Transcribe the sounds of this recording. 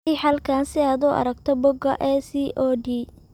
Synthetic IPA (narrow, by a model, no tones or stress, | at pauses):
ijħɐlkʰaːnsɪaːd̪ʊʔɐ̰ɾɐɡt̪ʰɔbɔɡɐʔɛsiʔoːɖiː